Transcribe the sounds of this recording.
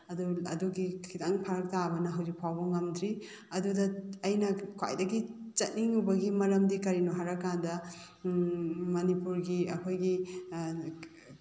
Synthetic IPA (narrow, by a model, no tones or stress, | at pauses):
ɐduɐ̰duɡikʰidaŋpʰaɾɐk̚tabɐnɐɦɐwzik̚pʰawbɐŋɐmdɾi | ɐdudɐɐjnɐkʰwa̰jdɐɡi | t͡ʃɐt̚niŋubɐɡimɐɾɐmdikɐɾinuɦaɾɐkːandɐ | mɐnipuɾɡiɐkʰojɡi